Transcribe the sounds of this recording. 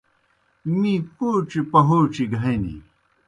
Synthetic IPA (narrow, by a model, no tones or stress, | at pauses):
mĩkoːt͡ɕipɐɦoːt͡ɕiɡʱɐẽnḭ